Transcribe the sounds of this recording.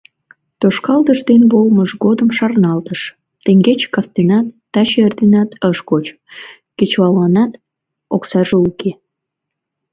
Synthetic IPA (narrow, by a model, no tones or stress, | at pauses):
t̪oʃkɑld̪əʃd̪enβolməʃɡod̪əmʃɑrnɑlt̪əʃ | t̪eŋɡet͡ɕkɑst̪enɑt̪ːɑɕerd̪enɑt̪əʃkot͡ɕ | ket͡ɕβɑlɑnɑt̪ | oksɑʒeuke